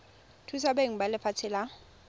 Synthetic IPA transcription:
tʰus̬abeŋ̩balɪfat͡sʰɪla

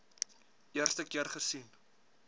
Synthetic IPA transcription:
ʔiərstəkiərχərsin

